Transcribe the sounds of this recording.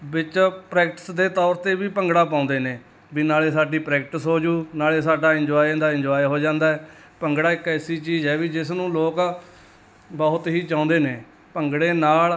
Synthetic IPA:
bɪt͡ʃpɾɛːk̚ʈə̥sd̪eːt̪ɔːɾt̪eːʋiːpəŋɡɽaːpãːnd̪eːneː | biːnaːleːsaːɖiːpɾɛːkʈɪsɦoːd͡ʒuːnaːleːsaːɖaːɪ̃ɲd͡ʒɔːid̪aːɪ̃ɲd͡ʒɔːiɦoːd͡ʒãːnd̪aːɛː | pəŋɡɽaːɪkɛːsiːt͡ʃiːzɦɛːʋiːd͡ʒɪsnũːloːk | bɔːt̪ɦiːt͡ʃãːʊ̃nd̪eːneː | pəŋɡɽeːnaːl

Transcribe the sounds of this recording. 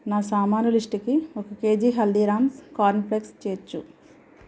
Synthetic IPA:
naːsaːmaːnuliʂʈikiɔkɐke̞ːd͡ʒiːɦɐld̪iːɾaːmskaːɾnplekst͡ʃeːɾt͡ʃːu

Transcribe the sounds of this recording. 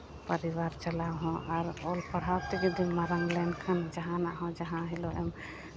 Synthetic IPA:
pəɾiβaɾt͡ʃəlaɦɔ̃ʔaɾolpəɽ̤awt̪ikd̪imaɾəŋɡlɛnkʰand͡ʒaɦãnaʔɦɔ̃d͡ʒaɦãɦiloʔɛm

